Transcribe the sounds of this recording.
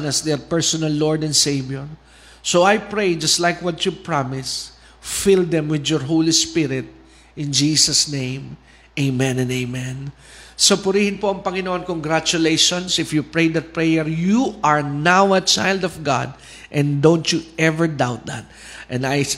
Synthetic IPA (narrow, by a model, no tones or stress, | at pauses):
nɐsd̪ɛɹpɛɹsɔnalːɔɹd̪ɛ̃nsejvjɔɹ | sowajpɹejd͡ʒɐst̪lajkwɐt̪jupɹamɪs | fɪld̪ɛ̃mwɪd̪jɔɹɦowlispɪɾɪt̪̚ | ʔɪ̃nd͡ʒisɐsnẽj̃m | ʔeɪmɛ̃nɛ̃neɪmɛ̃n | sɐpʊɾiːhɪ̃npoɐŋpɐŋɪnoʔonkoŋɡɾat͡ʃʊlejʃɔ̃nsɪfjupɹejd̪ɐt̪̚pɹɛjɛɹjuʔaɹnawɐt͡ʃa̰jld̪ɔvɡa̰d̪̚ | ʔɛ̃nd̪õwnt̪juʔɛvɛɹd̪awt̪̚d̪a̰t̪̚ | ʔɛ̃naj